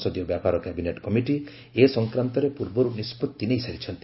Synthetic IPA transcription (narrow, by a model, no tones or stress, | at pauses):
sɔd̪jɔbjapaɾɔkɛbineʈkɔmiʈi | esɔŋkɾant̪ɔɾepuɾbɔɾunispɔt̪ːineisaɾit͡ʃʰɔnt̪i